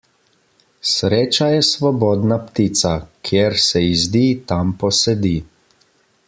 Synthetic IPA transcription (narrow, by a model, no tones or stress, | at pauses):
sɾeːt͡ʃajɛsʋɔbɔːd̪napt̪iːt̪sakʰjeɾsɛizd̪iːt̪ampɔsɛd̪iː